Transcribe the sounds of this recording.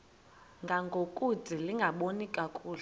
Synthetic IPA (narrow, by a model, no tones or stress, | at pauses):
ŋɡʱaŋɡʱokʼud͡zʱiliŋɡʱaɓonikʼakʼuːl